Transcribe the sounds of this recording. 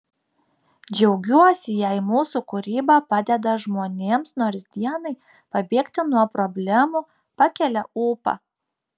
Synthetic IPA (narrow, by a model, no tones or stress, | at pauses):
d͡ʒʲɛʊɡʲuɔsʲɪjɛɪmuːsukʊɾʲiːbɐpɑd̪ʲɛd̪ɐʒmoːnʲeːmsnoːɾsʲd̪ʲiɛnɐɪ | pɐbʲeːkt̪ʲɪnuɔpɾɔbʲlʲæmuː | pɑkʲɛlʲɛuːpɐ̰